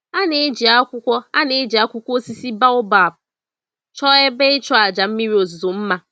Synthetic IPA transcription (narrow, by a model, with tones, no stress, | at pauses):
a˦ne˦d͡ʒi˨a˦kʷʊ˦kʷɔ˦a˦ne˦d͡ʒi˨a˦kʷʊ˦kʷo˦si˦si˦ba˦ʊ˦ba˨p̚ʊ˨ | t͡ʃɔ˦e˦be˦ɪ˦t͡ʃɔ˦a˨d͡ʒa˨m̩˦mi˦ɾi˦o˨zzo˨m̩˦ma˦